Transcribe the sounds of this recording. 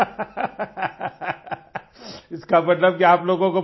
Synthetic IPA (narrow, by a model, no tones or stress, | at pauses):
ɪskamɐt̪ləb̚kiaːploːɡõko